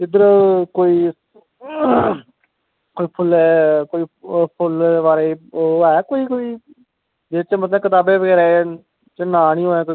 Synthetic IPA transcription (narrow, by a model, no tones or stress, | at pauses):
ɪd̪əɾkoːiː | koːiːpʰʊlɛːkoːiːpʰʊlʋaːɾeɛːkoːiːkoːiː | d͡ʒet͡ʃemət̪lɛ̃kɪt̪aːbeːʋəɡɛːɾeː | t͡ʃenaːnĩoɛ̃ːko